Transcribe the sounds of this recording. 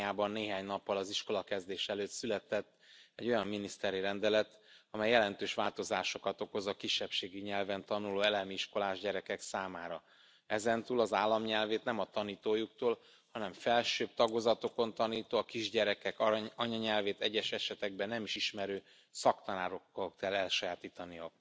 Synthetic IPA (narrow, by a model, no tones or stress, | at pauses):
aːbɒnːeːɦaːɲnɒpːɒlɒziʃko̞lɒkɛzd̪eːʃɛløːt̪sylɛt̪ɛt̪ːɛɟːo̞jɒmːinist̪ɛɾiɾɛnd̪ɛlɛt̪ɒmɛjːɛlɛnt̪øːʃʋaːlt̪o̞zaːʃo̞kɒt̪o̞ko̞zɒkiʃːɛpʃeːɡiɲɛlvɛnt̪ɒnuloːɛlɛmiiʃko̞laːʒɟɛɾɛkɛksaːmaːɾɒ | ɛzɛnt̪uːlɒzaːlːɒmɲɛlveːt̪nɛmɒt̪ɒniːt̪oːjukt̪oːl | hɒnɛɱfɛlʃøːb̚t̪ɒɡozɒt̪o̞ko̞nt̪ɒniːt̪oːɒkiʒɟɛɾɛkɛkɒɲɒɲɛlveːt̪ɛɟːɛʃɛʃɛt̪ɛɡ̚bɛnːɛmiʃiʃmɛɾøː | sɒkt̪ɒnaːɾo̞kːokkɛlɛlʃɒjaːt̪iːt̪ɒniɒk